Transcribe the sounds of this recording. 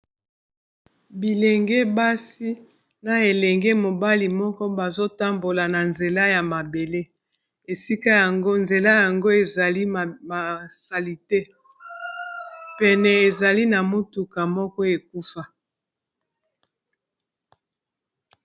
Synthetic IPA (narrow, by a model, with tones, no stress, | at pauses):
bi˨lɛ˨ŋɡɛ˦ba˦si˦ | na˨e˨lɛ˨ŋɡɛ˦mo˨ba˦li˨mɔ˦kɔ˦ba˨zo˦ta˦mbo˨la˨na˨nze˨la˦ja˨ma˨be˨le˦ | e˨si˦ka˦ja˨ŋɡo˦nze˨la˦ja˨ŋɡo˦e˨za˨li˦˨ma˨sa˨li˨te˦ | pɛ˨nɛ˨e˨za˨li˦na˨mo˦tu˨ka˨mɔ˦kɔ˦e˨k̚u˦fa˦